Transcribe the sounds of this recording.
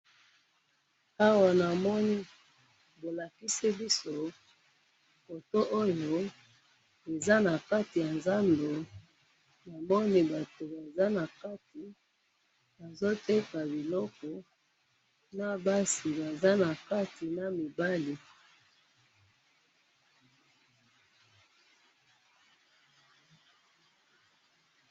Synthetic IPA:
a˦wa˨na˨mɔ˦ni˦ | bo˨la˨ki˦si˦bi˦so˦˨ | fo˨to˦ʔo˦jo˦ | e˨za˦na˨ka˦ti˨ja˨nza˦ndo˨ | na˨mɔ˦ni˦ba˨to˨ba˨za˦na˨ka˦ti˨ | ba˨zo˦te˦ka˨bi˨lɔ˦kɔ˨ | na˦ba˦si˨ba˨za˦na˨ka˦ti˨na˦mi˨ba˦li˨

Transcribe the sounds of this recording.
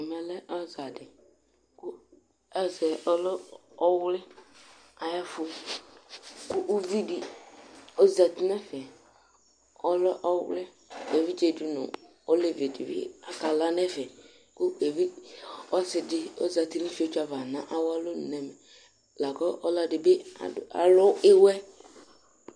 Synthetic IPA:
mɛ˨lɛ˦ʔɔ˦za˨dɪ˨ | ku˦ | ɛ˦zɛ˨ɔ˦lɔ˦ | ɔ˦wlɛ˦ | a˨jɛ˦fu˧ | ku˦ʔu˦vi˦di˨ | o˦za˨ti˦nɛ˦fɛ˨ | ɔ˦lɔ˦ʔɔ˦wlɛ˦ | e˨vi˦d͡ʒe˨du˨nṵ˨ | o˦le˨ve˨dḭ˨bɪ̰˦a˨ka˨la˦nɛ˦fɛ˨ | ku˦e˨vi˦ɔ˦sɪ˨dɪ˨o̰˦za˨ti˦ni˦fi˦o˦t͡ʃa˨va˨nã˦ʔa˦wa˦lo˦n˨nɛ˨mɛ˨ | la˨kɔ˦ʔɔ˦la˨˧dɪ˨bɪ˦a̰˨a̰˨lɔ˦ɪ˦wɛ˦

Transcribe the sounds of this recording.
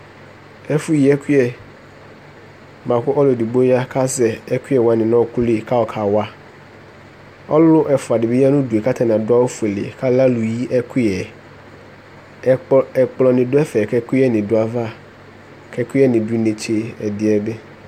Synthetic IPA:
ɛ˦fʊ˦ji˨ɛ˦kʰi˦ɛ˨ | mã˨kʊ˦ʔɔ˦lʊ˨di˨bo˦a˦kʰa˦sɛ˨ɛ˦kʰi˦ɛ˨wã˨nɪ̃˨nã˦˨kʊ˦le˦˨kʰa˦ɔ˨kʰa˨wa˦ | ɔ˦llʊ˦ʔɛ˨fʊ˨a˨dɪ˨be˦ja˦nʊ̃˦du˨e˨kʰa˦tʰa˨nã˨dʊ˦a˦wo˦fu˨e˨lḛ˨kʰa˦la˦lʊ˨ji˦ʔɛ˦kʰʊ˦ɛ˨ | ɛ˨k͡plɔ˨nɪ̃˨dʊ˦ɛ˦fɛ˨kʰɛ˦kʰʊ˦ɛ˦nɪ̃˨dʊ˦a˨va˦˨ | kʰɛ˨kʰʊ˦ɛ˦nɪ̃˨du˦nẽ˨t͡ɕʰe˨ɛ˨dɪ˨ɛ˨bɛ˦

